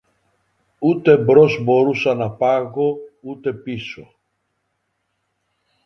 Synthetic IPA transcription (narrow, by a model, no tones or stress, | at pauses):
ut̪e̞bɾozbo̞ɾusɐnɐpɐɣo̞ut̪e̞piso